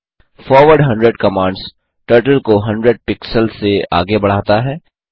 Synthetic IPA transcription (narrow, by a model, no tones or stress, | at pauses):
fɔːɾʋəɾɖɦɐ̃ɳɖɾeɖkɐmãːɳɖz | ʈəːɾʈəlkoɦɐ̃ɳɖɾeɖ̚pɪksəlsea̰ːɡebɐɽ̤aːt̪aɦɛː